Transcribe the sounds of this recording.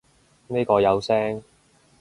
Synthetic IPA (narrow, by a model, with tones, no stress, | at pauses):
neː˥kɔː˧jɐ˨˧wsɛː˥ŋ